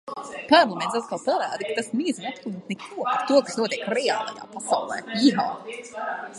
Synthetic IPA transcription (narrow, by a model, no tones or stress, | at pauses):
paːmlˠmɛnsat̪̚kalˠpalaːd̪ikat̪asmiːzinat̪̚klˠnut̪nɛkʰuɔpaɾt̪uɔkasnuɔt̪iɛkɾɛa̰ːlˠɑ̰ja̰ːpasawlˠɛ̰ːiɦa̰ː